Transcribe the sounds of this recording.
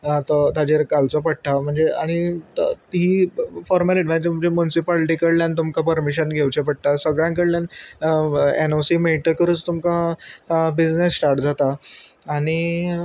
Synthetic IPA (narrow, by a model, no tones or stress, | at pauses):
t̪ɔt̪ad͡ʑeɾkalt͡sɔpəɽ̚ʈ̪am̤əɳd͡zeaɽ̃it̪t̪ifɔɾməleɖʋãt̪umd͡ʑemunisipɔlʈikəɽljant̪umkapəɾmiɕ̬ənɡʱewt͡ɕepəɽ̚t̪asəɡɭjãŋkəɽljan | ḛnosimeʈəkəɾəːt͡st̪umka | bid͡znesːʈaɾʈd͡zat̪aː | ɽ̃i